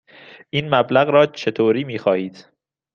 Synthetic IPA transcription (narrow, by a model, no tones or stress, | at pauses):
ʔiːnmæblæɣɾɒːt͡ʃʰe̞t̪ʰoːɾiːmiːxɒːhiːd̪̥